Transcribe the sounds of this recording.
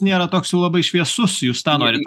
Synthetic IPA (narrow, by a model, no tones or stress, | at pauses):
nʲeːɾɐt̪oːksʲjɛʊlˠɐbɐɪʃʲʋʲiɛsʊsjuːst̪ɑːnoːɾʲɪt̪